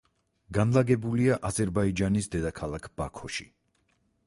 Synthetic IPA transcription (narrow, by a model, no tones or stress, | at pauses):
ɡanlˠaɡɛbuliaʔazɛɾbaid͡ʒanisd̪ɛd̪akʰalˠakʰb̥akʰɔʃi